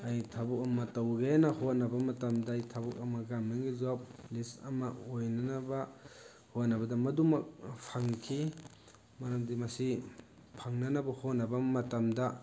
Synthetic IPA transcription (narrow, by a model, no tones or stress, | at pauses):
ajtʰabuk̚ɐmɐtɐwɡenɐhot̚nɐbɐmɐtamdaːjtʰabuk̚ɐmɐɡamniŋɡizap̚lisɐ̰mɐojnɐnɐbɐ | hot̚nɐbɐdɐmɐdumɐk̚pʰaŋkʰi | mɐɾamdimɐsi | pʰaŋnɐnɐbɐhot̚nɐbɐmɐtɐmdɐ